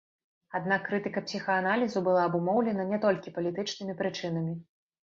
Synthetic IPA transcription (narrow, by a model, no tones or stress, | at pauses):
ad̪nakːɾɨt̪ɨkɐpsʲixɐanalʲizubɨlˠaɐbumɔwlʲɛnɐnʲɛt̪ɔlʲkʲipɐlʲit̪ɨt͡ʂnɨmʲipɾɨt͡ʂɨnɐmʲi